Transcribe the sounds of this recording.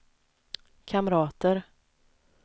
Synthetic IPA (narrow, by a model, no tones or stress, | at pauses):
kʰamɾɑːt̪əɾ